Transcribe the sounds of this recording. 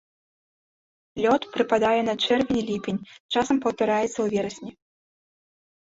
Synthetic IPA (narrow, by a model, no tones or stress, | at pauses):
lʲɔt̪pɾɨpad̪ajɛnɐt͡ʂɛrvʲɛnʲilʲipʲenʲt͡ʂasɐmpɐwt̪aɾajɛt̪sːɐwvʲɛɾɐsʲnʲi